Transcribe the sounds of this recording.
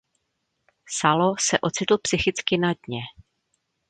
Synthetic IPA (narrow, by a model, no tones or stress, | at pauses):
salosɛʔo̞t͡sɪt̪l̩psɪxɪt͡skɪnadɲɛ